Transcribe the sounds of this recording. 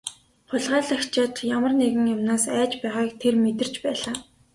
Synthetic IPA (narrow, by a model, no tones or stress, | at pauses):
χʊɮʁaːɮə̆xt͡ɕaːt̪jamə̆rneɣɘ̆ŋjʊmnaːsæːt͡ɕpæːʁaːkt̪ʰermet̪ɘ̆r̥t͡ɕpæːɮaː